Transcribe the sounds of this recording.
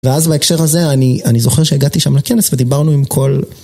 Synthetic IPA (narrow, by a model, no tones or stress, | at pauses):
veazbaekʃe̞ʁhaze̞anianizo̞χeʁʃeiɡat̪iʃamlake̞nesved̪ibaʁnuimkʰo̞l